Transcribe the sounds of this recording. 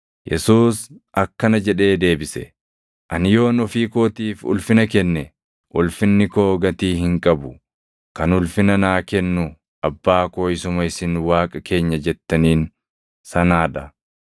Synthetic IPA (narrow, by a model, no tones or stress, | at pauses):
jɛ̰suːsʔɐkːɐnɐd͡ʒɛᶑe̞ːd̪e̞ːbɪsɛ̰ | ʔɐnɪjo̞ːnɔfiːkoːt̪iːfʊ̰lfɪnɐkɛnːɛ | ʔʊlfɪnːɪkoːɡɐt̪iːɦɪŋkʼɐbʊ | kɐnʊlfɪnɐnaːkɛnːʊ | ɐbːaːko̞ːɪsʊmɐɪsɪnwaːkʼɐke̞ːɲːɐd͡ʒɛt̪ːɐniːn | sɐnaːᶑɐ